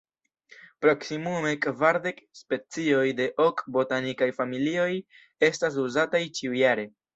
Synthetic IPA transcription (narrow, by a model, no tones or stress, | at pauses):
pɾo̞ksimume̞kvaɾde̞kspe̞t͡sio̞jde̞ʔokbo̞tanikajfamilio̞j | e̞stas̬uzatajt͡ʃiujaɾe̞